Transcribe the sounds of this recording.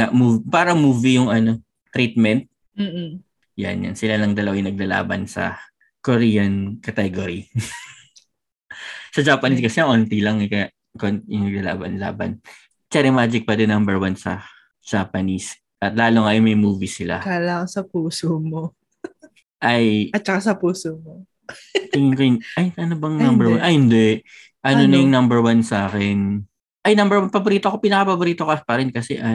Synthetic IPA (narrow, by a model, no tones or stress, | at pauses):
amuːvpaːɾɐmuːvijʊŋɐno̞ | t̪ɾiːt̪̚mɛnt̪̚ | m̩ː | ja̰nja̰nsɪlalɐŋd̪ɐlɐwajɪnɐɡ̚lala̰ːbɐ̰nsɐ̰ | koɾiːjɐnkɐt̪ɛɡoɾi | sɐd͡ʒaːpɐniskɐsɛʔoːnt̪ilɐŋk | konjʊŋnɐɡ̚lala̰ːbɐnla̰ːbɐ̰n | t͡ʃɛɾɛmaːd͡ʒɪk̚pɐd̪ɪnːɐmbɛɹwansɐ̰ | d͡ʒ̥apɐnis | ʔɐt̪laːloŋɐmɐjmuːvisɪla̰kalɐŋsɐpuːsomo | ʔɐjɐt̪̚t͡ʃɐkasɐpuːsomo | ɪkɪnʔɐjʔɐnobɐŋnɐmbɛwannʔɐhɪnd̪ɛʔ | ʔɐnonɐjʊŋnɐmbɛɹwansaːkɛn | ʔɐjnɐmbɛɹwanpɐboɾiːt̪oɐkopɪnɐkɐpɐboɾiːt̪okɐpɐɾɛnkɐsɛʔɐ